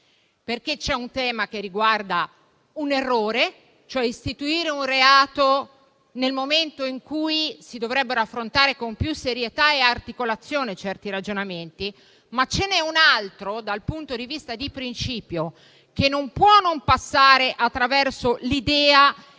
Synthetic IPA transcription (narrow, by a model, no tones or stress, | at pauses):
perk̟et͡ʃɛunt̪ɛːmak̟erːiɡward̪a | unerːoːɾe | t͡ʃoɛist̪it̪uiːɾeunreaːt̪o | nelmoment̪oiŋkujsid̪ovɾɛbːeɾoafːɾont̪aːɾekompjusːeɾjet̪aeart̪ikolat̪sːjoːnet͡ʃɛrt̪iɾad͡ʒonament̪i | mat͡ʃːenɛunalt̪ɾod̪alpunt̪od̪ivist̪ad̪ipɾint͡ʃiːpjo | kenːompwɔnompasːaːɾeʔat̪ːɾavɛrsolid̪ɛːa